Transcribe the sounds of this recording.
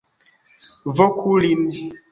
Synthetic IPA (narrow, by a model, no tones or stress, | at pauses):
vɔkʰulin